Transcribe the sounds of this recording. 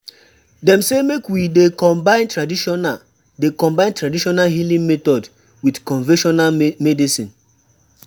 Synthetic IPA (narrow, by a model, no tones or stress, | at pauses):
dɛ̃msemekwidekɔ̃mbãɪ̃ntɹadiʃɔna | dekɔ̃mbãɪ̃ntɹadiʃɔnalɦilĩŋmetɔd | widkɔ̃nvɛ̃ʃɔnalmɛdisĩn